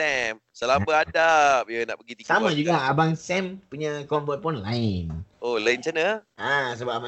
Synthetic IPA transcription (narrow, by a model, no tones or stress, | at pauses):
sɛm | səlambəadap̚jəna̰ʔpəɡit̪isamãd͡ʒuɡaabaŋsɛmpuɲakɔmbuat̪̚pɔnlaɪnolaɪnt͡ʃanəasəbap̚aba